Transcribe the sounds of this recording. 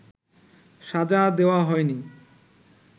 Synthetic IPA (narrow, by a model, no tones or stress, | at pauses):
ʃad͡ʑad̪eoaɦɔeni